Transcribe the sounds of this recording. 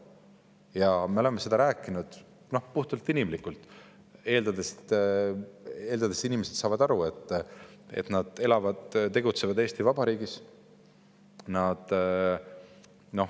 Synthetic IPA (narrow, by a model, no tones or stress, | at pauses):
jɑme̞o̞le̞mːese̞d̪̥ɑɾæːkːˑinud̪̥ | no̞hpuht̪ult̪ːˑinimlikːult̪ːˑ | e̞ːld̪ɑd̪est̪ | e̞ːld̪ɑd̪e̞sinimese̞t̪sɑːvɑd̪ɑɾue̞t̪ːˑḛt̪nɑd̪̥e̞lɑvɑd̪̥t̪e̞ɡut̪se̞vɑd̪e̞ːst̪ivɑb̥ɑɾiːɡ̥is | nɑd̪̥ | no̞h